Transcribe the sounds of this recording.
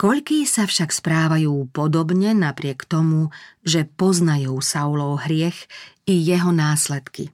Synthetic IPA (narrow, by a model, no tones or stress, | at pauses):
kɔʎkiːsafʃakspɾaːʋajuːpɔd̪ɔbɲɛnapɾɪɛkt̪ɔmuʒɛpɔznajuːsawlɔʊɦɾɪɛxijɛɦɔnaːslɛt̪kḭ